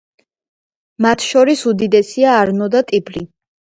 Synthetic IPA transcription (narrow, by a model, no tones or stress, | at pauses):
mat̪ʰʃɔɾisud̪id̪ɛsiaːɾnɔd̪at̪ʼibɾi